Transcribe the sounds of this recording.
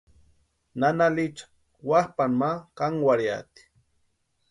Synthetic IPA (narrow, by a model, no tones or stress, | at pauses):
nanalit͡ʃḁ | wahpanmakaŋwaɾja̰t̪i̥